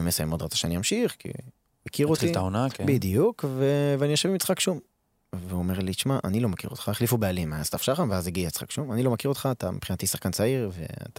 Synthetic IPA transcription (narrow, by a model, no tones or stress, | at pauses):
mesajamod̪ʁatt͡saʃeaniamʃiχkḭ | makʰiʁotiltaonakbid̪jukveveanijoʃevimit͡sχakʃum | veuomeʁlit͡ʃmaʔa̰nilomakḭʁot̪χaeχlifubealimaaztafʃaχanveazeɡijat͡sχa̰kʃumanilo̞makiʁot̪χaːt̪amepχinat̪isaχkant͡saiʁvḛa̰t̪a